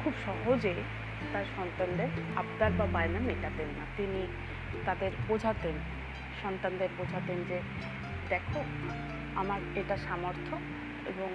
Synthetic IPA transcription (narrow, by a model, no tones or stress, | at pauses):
kʰubʃɔɦod͡ʑe | t̪aɾʃɔnt̪and̪eɾabd̪albabajnamiʈat̪enːat̪ini | t̪ad̪eɾbod͡ʑʱat̪en | ʃɔnt̪and̪eɾbod͡ʑʱat̪end͡ʑe | d̪ɛkʰo | amaɾeʈaʃamoɾt̪ʰo | ḛboŋ